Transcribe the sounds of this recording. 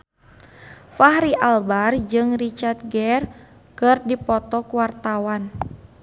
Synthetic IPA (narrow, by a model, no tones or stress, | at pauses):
faɦɾiʔalbard͡ʒɨŋrit͡ʃart̪̚ɡɛr | kɨrdipɔt̪ɔkuwart̪awan